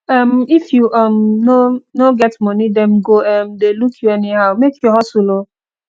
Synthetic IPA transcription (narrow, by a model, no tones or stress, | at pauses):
ʌm̩ifjuʔʌmnonoɡɛtmɔnidɛ̃mɡoɛm̩delukʰjuɛniɦaʊmekʰjɔɦɔsulo